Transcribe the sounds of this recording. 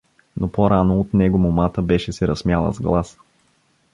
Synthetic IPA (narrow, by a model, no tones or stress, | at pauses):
nopoɾanoːt̪nɛɡomomat̪əbɛʃɛsɛɾɐsmʲjalˠə̰zɡlˠas